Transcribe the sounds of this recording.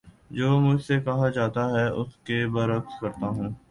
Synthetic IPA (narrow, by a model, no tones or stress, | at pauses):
d͡ʒoːmʊd͡ʒʱsekɐɦad͡ʒaːt̪aɦɛʔʊskebɐɾɐkt̪kɐɾt̪aɦũː